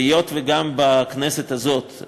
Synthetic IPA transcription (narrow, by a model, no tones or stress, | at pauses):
ijot̪veɡambaknɛset̪hazot̪